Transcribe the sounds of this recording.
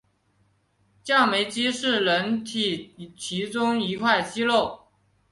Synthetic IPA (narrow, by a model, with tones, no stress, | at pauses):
t͡ɕjɑ˥˩ʊme˧˥ɪt͡ɕi˥ʂɻ̩˥˩lə˧˥nt̪ʰi˨˩t͡ɕʰi˧˥ʈ͡ʂʊ˥ŋi˧˥kʰwa˥˩ɪɕi˥lo˥˩ʊ